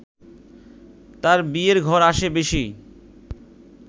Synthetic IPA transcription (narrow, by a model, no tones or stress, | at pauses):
t̪aɾbieɾɡʱɔɾaʃebeʃi